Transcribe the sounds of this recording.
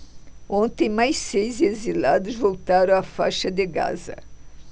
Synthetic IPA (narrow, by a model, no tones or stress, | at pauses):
õnt̪ẽj̃majssejzezilad̪ʊzvowt̪aɾɐ̃w̃ɐfa̰jʃɐd̪eɡa̰zɐ̰